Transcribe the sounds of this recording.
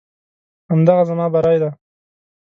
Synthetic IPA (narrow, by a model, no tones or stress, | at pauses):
amd̪aɣazamɑbaɾɑjd̪a